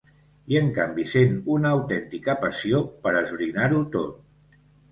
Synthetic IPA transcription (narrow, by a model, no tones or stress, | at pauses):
iəŋkambisenunəːwt̪ɛnt̪ikəpəsiopəɾəzβɾinaɾut̪o̰t̪̚